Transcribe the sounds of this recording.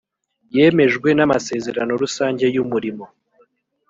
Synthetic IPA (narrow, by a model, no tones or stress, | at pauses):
je̞ːme̞ʒɡwe̞namase̞ːze̞ɾano̞ɾusaːɲɟe̞jumuɾimo̞